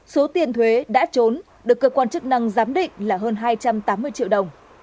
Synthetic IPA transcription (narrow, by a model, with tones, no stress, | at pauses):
so˨˦t̪i˧˩ənt̪ʰwe˨˦ɗa̰ː˧˥t͡ɕo˨˦n | ɗɨ˨˩əkːəː˧kwaː˧nt͡ɕɨ˦˥k̚na˧ŋzaː˨˦mɗḭ̈˧˨ŋ̟laː˨˩ɦəː˧nɦaː˧jt͡ɕa˧mt̪aː˨˦mːɨ˧əjt͡ɕḭ˧˨wɗə˨˩wŋ͡m